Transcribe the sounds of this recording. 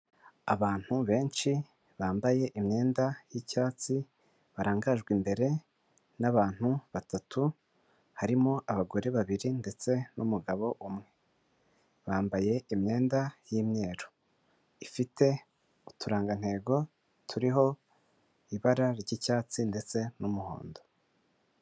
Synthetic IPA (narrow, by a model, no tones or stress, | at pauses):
a̰βaːn̥huβe̞ːnʃi | βaːmbaje̞ʔimɲe̞ːndajicaːt͡si | βaɾaːŋɡaʒɡwimbe̞ɾe̞ | naβaːn̥huβatatʰu | haɾimoʔaβaɡo̞ɾe̞βaβiɾinde̞t͡se̞numuɡaβo̞ʔumŋe̞ | βaːmbaje̞imɲe̞ːndajimɲe̞ːɾo̥ | ifite̞ | utʰuɾaːŋɡan̥he̞ːɡo̞ | tʰuɾiɦo̞ | iβaɾaɾɟicaːt͡sinde̞t͡se̞numuho̞̰ːndo̞